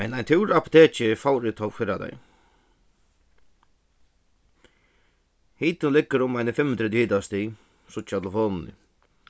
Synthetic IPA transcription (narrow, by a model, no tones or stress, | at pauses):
mɛnajnt̪ʰɪwɾapʊ̥t̪ʰeːt͡ʃɪfawɾɪt̪ʰɔwfɪːɾad̪ɛ̰j | hiːt̪ɪnlɪkːəɾʊmajnəfɪmːənt̪ɾɛt̪jhiːt̪ast̪i | sʊt͡ʃaləfɔːnnɪ̰